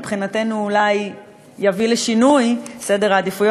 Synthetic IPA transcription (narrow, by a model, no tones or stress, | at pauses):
pχinate̞nuːlajː | avileʃinujsede̞ʁaːd̪ifujo